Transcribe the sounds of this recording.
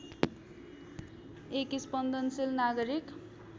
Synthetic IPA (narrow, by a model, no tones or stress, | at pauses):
ekispʌnd̪ʱʌnsilnaɡʌɾik